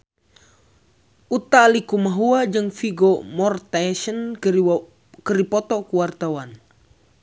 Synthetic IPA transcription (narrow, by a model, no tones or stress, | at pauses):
ut̪aːlikumaɦuad͡ʒɨŋfiɡɔmɔrt̪aʃən | kəɾipɔt̪ɔkuwart̪awan